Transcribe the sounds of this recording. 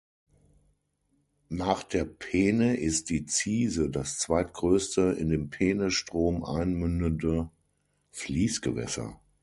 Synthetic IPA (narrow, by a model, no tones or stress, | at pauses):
naːχd̥eːɐpʰeːnəʔɪst̚d̥iːt͡siːzədast͡sv̥aɪtɡ̥ʁøːstəɪ̰ndeːmpʰeːnəsʃtʁ̥oːmʔa̰ɪnmʏndəndə | fliːsɡ̥əvɛ̰sɐ̰